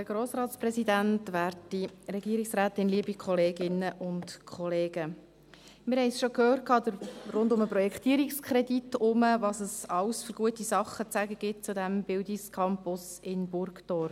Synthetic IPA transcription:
dəɡ̥ɾoːsɾɑːtsprɛsidæntʋæːɾtiɾɛɡiəɾiksɾæːt̪ɪnliəbikχɔleːɡɪnəʔʊntkʰχɔleːɡ̥ə | mɪɾhɛɪsʃokhøːrt̚kʰɑːd̪əɾɾʊndʊməprɔjɛkχtiəɾikskʰɾɛditʊməʋɑsəsɑwsfʏɾɡ̥uətisɑχːət͡sæɡəɡ̥ɪt̚t͡sudæmb̥ɪldiskʰɑmpʊsɪnbʊɾkd̥ɔːɾ

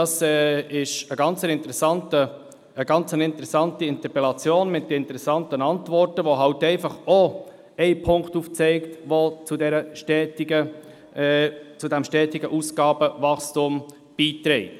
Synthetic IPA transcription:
dɑːsɛːɪʃəɡɑnt͡sənɪnt̪ɾɛsɑntə | əɡ̥ɑnt͡sənɪntəɾɛsɑntiɪnt̪əɾpɛlɑt͡sjoːnmɪt̚dəɪntəɾɛsɑntənɑntvɔɾtəʋoɦɑwtɛɪfɑχɔ | ɛɪpʰʊŋkχtuft͡sɛɪktʋot͡sudɛɾəʃtɛːtiɡə | t͡sudæmʃtɛːtɪɡəʔusɡɑːb̥əvɑkstʊm | b̥iːtɾɛɪt

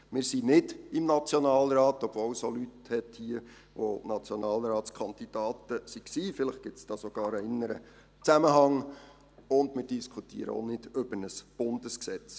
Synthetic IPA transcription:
mɪːɾsinɪd̥ɪmnɑt͡sjɔnɑːlɾɑːtɔb̥vowsolythɛthiːə | ʋonɑt͡sjonɑːlɾɑːtskʰɑnd̪id̥ɑːtəsiksiːfɪlɪχɡ̥ɪsd̥ɑːsoɡ̥ɑːɾəɪnːəɾə | t͡sæməɦɑŋ | ʊndmɪːɾd̥iskʰutḭːəɾə̰o̰nɪd̥ɵb̥ənəsb̥ʊndəsksɛt͡s

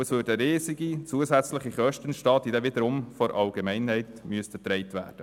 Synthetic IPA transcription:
əsʋøːɾdəəɾiːziɡit͡suəsæt͡sləχiχœʃtənʃtɑːt̪id̪ɛʋɪd̪əɾʊmfɔɾʔɑlɡemɛɪnhɛɪtmyəst̪ət̪ɾɛɪtʋæ̰ːd̥ə

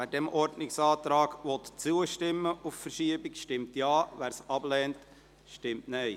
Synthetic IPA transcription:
æːdɛmʔɔɾdnɪksɑːt̪ɾɑːɡ̥ʋɔt̪t͡suəʃtɪmːəʔuffəɾʃiəbɪkʃtɪmtjɑːʋæːɾsɑb̥lɛːnt | ʃtɪmtnɛɪ

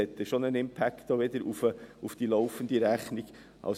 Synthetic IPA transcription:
ɛt̪ːəʃonaɪnɪmpʰæktd̥ɑːʋed̪əɾṵfʊfd̥iːlaʊfənd̪əɾæχnɪɡ̥ | ʔa̰ʊ

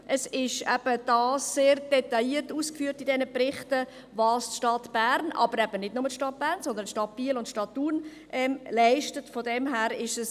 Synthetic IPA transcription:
ʔəsɪʃɛ̰b̥əd̥ɑːsːeːɾd̥ɛtɑiːəɾtuːskfyːɾtidɛnəpɾɪχtə | vɑːstʃtɑtb̥æːɾnʔɑ̰bəɾɛb̥ənɪdnʊmətʃtɑt̚b̥æːʁnsɔnd̪əntʃtɑt̚b̥iːəlʊntʃtɑtːuːn | ʔɛmlaɪʃtətfɔdɛmɦæːɾɪʃəs

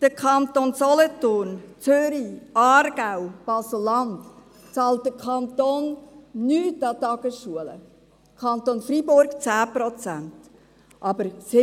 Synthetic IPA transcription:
d̥əkʰχɑnt̪onsɔlɔtʊɾnt͡søɾiʔɑːɾɡ̥awb̥ɑsl̩ːɑnd̪ | t͡sɑːlt̚d̥əkʰɑnt̪oːnːyːtɑt̪ɑɡəsʃuələ̰ | kʰɑnt̪onfɾibʊɾɡt͡sæːpɾɔt͡sænt | ʔɑbəɾsɪ

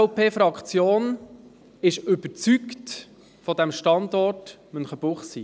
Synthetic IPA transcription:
pʰeːfɾɑkχt͡sjoːn | ɪʃʏb̥əɾt͡sykt | fɔdæmʃtɑndɔrt | mœnχəb̥ʊχsḭː

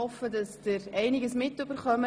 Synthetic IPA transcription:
ɔfədɑsd̥əɾɛɪnɪɡəsmɪtʏb̥əɾχœmə

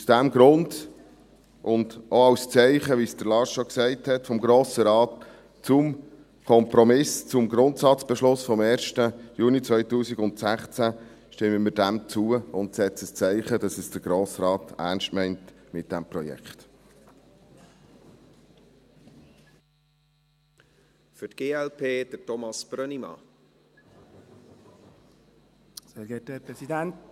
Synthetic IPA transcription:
usd̥æmɡɾʊnd | ʔʊnd̥ʔoɑwst͡sɛɪχəʋisd̥əɾlɑʃɔksɛɪthɛtfɔmɡɾoːsəɾɑːt | t͡sʊm | kʰɔmpɾɔmɪst͡sʊmɡɾʊntsɑt͡sb̥ɛʃlʊsfɔmɛːɾʃtəjuːnit͡sʋœʏtuːsɪɡʊntsæχt͡sæ | ʃtɪmːəmɪd̥æmt͡suəʊntsɛt͡səst͡sɛɪχədɑsɛsd̥əɾɡ̥ɾoːsrɑːtʰæ̰ːnʃtmɛɪnt | mɪt̚d̥æmprɔjɛ̰kχt̪ | fʏtɡ̥eːɛlpʰeːd̥ətɔmɑsb̥ɾœnimɑ̰ | seɡɛtpɾɛidænt

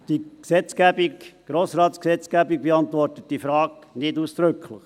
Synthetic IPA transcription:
d̥iksɛt͡skæbikɡ̥ɾoːsɾɑːt̪sksɛt͡skæbiɡ̚beɑnt̪ʋɔrtət̚d̥ifɾɑːknɪduːsd̥ɾʏkʰləχ

